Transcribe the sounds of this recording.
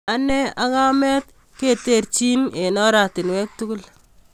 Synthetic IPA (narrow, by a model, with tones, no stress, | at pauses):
a˨nɛ˦a˦ka˦mɛ˦t̚ | ke˦˨te˦˨ɾt͡ʃi˦ne˨nɔ˦ɾa˨tɪ˨nwɛ˦k̚tu˦ku˦l